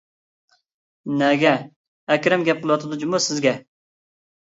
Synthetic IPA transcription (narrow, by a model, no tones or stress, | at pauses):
nɛɡʲɛ | ɛkʲɾɛmɡʲɛp̚qəlˠwɑt̪ʰɨd̪ud͡ʒimusɪzɡʲɛ